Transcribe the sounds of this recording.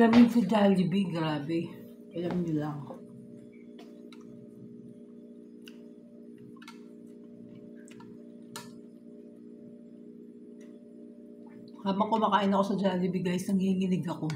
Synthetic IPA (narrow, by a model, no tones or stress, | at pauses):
ɐnɪnsɐd͡ʒaːlɪbiɡɾaːbɛ | kɐjaŋnɪlɐŋ | haːbɐŋkomɐkaːʔɪnɐko̞sɐd͡ʒaːlɪbiɡaːjɪsnɐŋhiːŋɪnɪɡɐko̞